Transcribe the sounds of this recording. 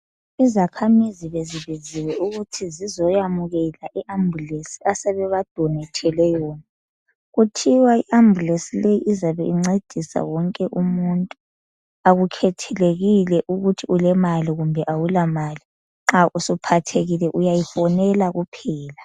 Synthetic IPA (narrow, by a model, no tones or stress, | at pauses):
izakʰamiziβeziβiziwɛuɣutʰizizɔjamuɣɛlaʔiʔambʱulesi̥asɛβɛβad̥ʱɔnɛtʰɛlɛjɔːna | ɣutʰiwaiʔambʱulesilejiʔizaβɛiŋ͡ǀed̥ʱisa̰wɔŋkʼɛʔumuntʼu | aɣukʰɛtʰɛleɣilɛʔuɣutʰiulɛmaliɣumbʱɛʔawulamaːli | ŋ͡ǁaʔusupʰatʰeɣilɛʔujajifɔnɛlaɣupʰɛːla